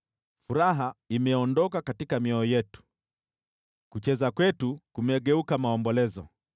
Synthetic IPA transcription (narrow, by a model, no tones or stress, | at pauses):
fuɾaɦaimɛɔndɔkakatikamiɔɔjɛtu̥ | kut͡ʃɛzakwɛtukumɛɠɛukamaɔmbɔlɛzɔ̰